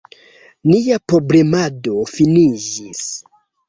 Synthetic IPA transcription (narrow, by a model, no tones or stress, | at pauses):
nijapɾo̞ble̞mado̞finiʒis